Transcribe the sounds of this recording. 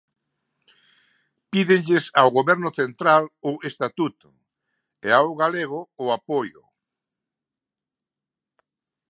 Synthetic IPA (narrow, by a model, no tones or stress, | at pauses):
piðɪŋʎɪsawɣoβɛɾnʊθent̪ɾalʊest̪at̪ut̪ʊ | eawɣaleɣ̞ʊːapojʊ̰